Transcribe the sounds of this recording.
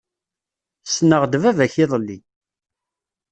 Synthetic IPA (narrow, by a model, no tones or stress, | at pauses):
snəʁd̪vævæçɪðˤəlːi